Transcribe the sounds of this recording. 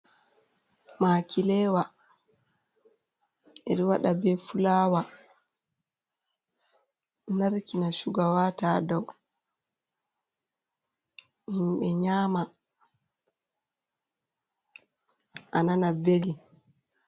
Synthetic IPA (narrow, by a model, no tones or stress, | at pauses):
maːkilɛːwa | ɛɾiwaɗabɛfulaːwa | naɾkinaʃuɡawataːdɔw | imɓɛɲaːma | ʔananabeli